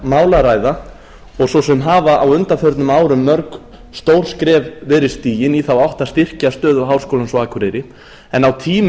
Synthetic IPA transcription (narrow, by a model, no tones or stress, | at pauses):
maːwlaɾaːjða | ɔɣsɔwsɛmɦaːvaʔawʏnt̪aθœɾt̪nʏmaːwɾʏmːœɾk | st̪owɾ̥skɾɛːvvɛɾɪ̥st̪iːjɪniθawawht̪ḁst̪ɪr̥cast̪œːðʏɦaːwrskowlansɔaːkʰɾɪɾɪ | ɛnawt̪ʰiːm